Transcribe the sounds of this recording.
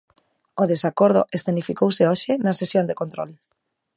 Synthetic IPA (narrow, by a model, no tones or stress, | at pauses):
oðesakoɾð̞o̰ʔest̪enifikowseɔʃɪnɐsesjond̪ekont̪ɾo̰l